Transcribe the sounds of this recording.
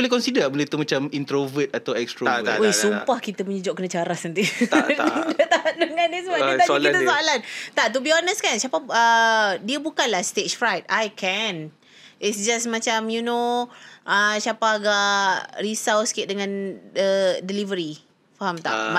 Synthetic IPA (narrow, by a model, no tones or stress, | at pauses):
bolehkɔnsidəbəlet̪umat͡ʃamint̪ɾovət̪at̪awɛkst̪ɾoesumpahkit̪əməɲud͡ʒɔʔkənãt͡ʃaɾasənt̪i | dət̪adəŋãnisəbaʔkiaiəsoalant̪aʔt̪̬ubiɔnəskansapaədiəbukanlahst̪et͡ʃfɾajt̪̚ajkʰɛn | itsd͡ʒasmãt͡ʃamjunõʔəsjapaːɡaʔrisawsə̥kɪt̪̚dəŋãndədilivəɾi | faɦamt̪a̰ʔa